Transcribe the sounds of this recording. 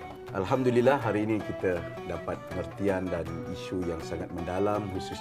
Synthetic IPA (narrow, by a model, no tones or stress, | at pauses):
ʔa̰lɦamdulilaɦaɾiːnĩkit̪ə | dapat̪̚pəŋərt̪iandaniʃujaŋsaŋat̪̚məndalamhusus